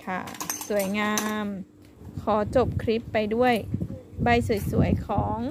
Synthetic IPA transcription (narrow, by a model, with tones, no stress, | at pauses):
kʰa˥˩su˩˦əjŋaː˧m | kʰɔː˩˦t͡ɕo˨˩p̚kʰɾi˦˥pːa˧jdu˥˩əjba˧jsu˨˩˦jsu˨˩˦əjkʰɔː˩˦ŋ